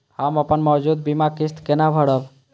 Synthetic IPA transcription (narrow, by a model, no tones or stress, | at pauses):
həməpənmɔwd͡ʒud̪̚bimakist̪kenabʱəɽəb